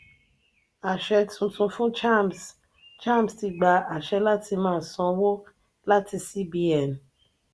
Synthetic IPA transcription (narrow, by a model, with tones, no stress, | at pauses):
a˨ʃɛ˧tũ˨˧tũ˧fũ˦t͡ʃms | t͡ʃa˦˨m˨sti˧ɡ͡ba˧a˨ʃɛ˧la˦tʰi˧mãː˦˨sɔ̃˧˦wo˦ | la˦ti˧si˦bi˧˦ɛ˨n